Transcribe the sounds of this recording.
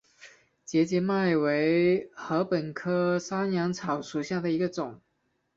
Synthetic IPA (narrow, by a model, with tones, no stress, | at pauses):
t͡ɕjɛ˧˥t͡ɕjɛ˧˥ma˥˩ɪwe˧˥ɪxɤ˧˥pə˨˩nkʰɤ˥sa˥njɑ˧˥ŋt͡sʰɑ˨˩ʊʂu˨˩ɕja˥˩d̪ə˩i˧˥ɡə˧ʈ͡ʂʊ˨˩˦ŋ